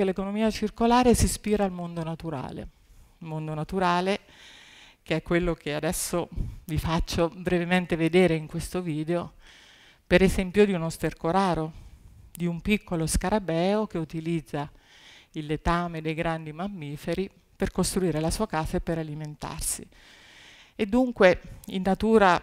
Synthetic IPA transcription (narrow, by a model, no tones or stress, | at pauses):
elekonomiːat͡ʃirkolaːɾesispiːɾaːlmond̪onat̪uɾa̰ːlḛ | mond̪onat̪uɾaːle | keɛkːwelːokʰead̪ɛsːovifat͡ʃːobɾevement̪eved̪eːɾeiŋkwest̪oviːd̪eo | peɾezɛmpjod̪iunost̪erkoɾaːɾod̪iumpikːoloskaɾabɛːok̟eut̪ilid̪zːa | ilːet̪aːmed̪ejɡɾand̪imamːiːfeɾi | perkost̪ɾuiːɾelasuːakaːsaepːeɾaliment̪a̰rsḭ | ed̪ːuŋkweinːat̪uːɾa